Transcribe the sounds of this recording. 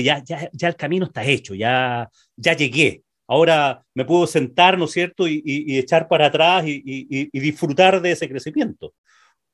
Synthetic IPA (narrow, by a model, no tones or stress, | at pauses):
ʝaʝaʝaelkaminoeht̪ae̞t͡ʃoʝa | ʝaʝe̞ɣe̞ | ao̞ɾa | me̞pwuðose̞nt̪aɾno̞sjeɾt̪oiiiet͡ʃaɾpaɾaːt̪ɾasiiːðifɾut̪aɾðeesekɾe̞simje̞nt̪o